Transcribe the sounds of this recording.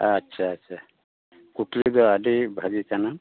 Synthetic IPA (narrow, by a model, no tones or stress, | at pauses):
atːsʰaːtːsʰa | kuʈlud̪ɔadibʱaɡikana